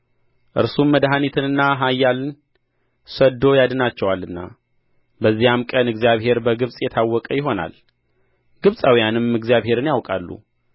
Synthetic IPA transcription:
ʔɨ̰ɾsumːəd̪ɦanit̪ʰɨnɨnːaɦajːalɨn | səd̪o̞jad̪ɨnat͡ʃːɛwalːɨnːa̰ | bəzːijamkʼənɨɡzijaβɦe̞ɾbəɡɨβsʼjɛt̪ʰawːɔkʼəjɪɦo̞na̰l | ɡ̥ɨβsʼawijanɨmɨɡzijaβɦe̞ɾɨnjawkʼalːṵ

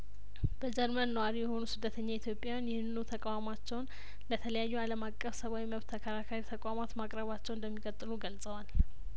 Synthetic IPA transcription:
b̥əd͡ʒɛɾmənːəwaɾijɛho̞nusɨd̪ːət̪ʰəɲːait̪ʰjo̞pʼjajanjɪhɨnɨnut̪ʰəkʼawamat͡ʃːɛwn | lət̪ʰələjajːualəmakʼːəfsəβawiməβt̪ʰːəkʰəɾakʰaɾit̪ʰəkʷʼamat̪makʼɾəβat͡ʃːɛwnd̪əmːikʼət̪ʼːɨluɡəlsʼəwal

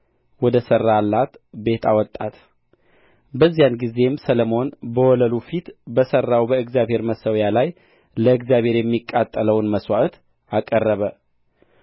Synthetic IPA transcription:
wɔd̪əsərːalːat̪be̞t̪ʰa̰wɔt̪ʼːat̪ | bəzːijanɡize̞msələmo̞nbəwɔləlufit̪bəsərːawbəɨɡzjaβhe̞ɾməsəwjalaj | ləɨɡzjaβhe̞ɾjɛmːikʼːat̪ʼːələwnməswaʔt̪ | akʼərːəβə

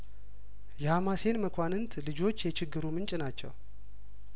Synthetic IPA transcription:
jɛhamase̞nməkʰʷanɨnt̪ʰlɨd͡ʒo̞t͡ʃːjɛt͡ʃʰɪɡːɨɾumɨnt͡ʃʼnat͡ʃːɛ̰w

